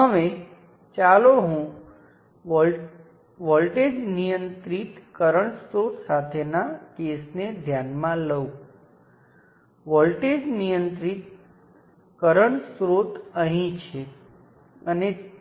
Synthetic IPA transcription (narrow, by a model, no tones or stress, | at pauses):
ɦəʋe | t͡ʃaloɦũ | ʋɔlʈed͡ʒnijə̃nt̪ɾit̪kəɾəɳ̃sɾot̪sat̪ʰenakesned̪ʱjanmãləũ | ʋɔlʈed͡ʒnijənt̪ɾit̪ | kəɾəɳsɾot̪əɦĩt͡ʃʰe | əne